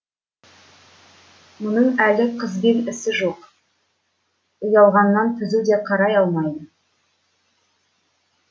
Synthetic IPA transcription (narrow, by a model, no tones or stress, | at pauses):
mʊnəɴælɪqʰəzbʲenɪsɪʒoq | ʊjɑlˠʁɑnːɑnt̪ʰʏzud̪e̞qʰɑɾɑjɑlˠmɑjd̪ə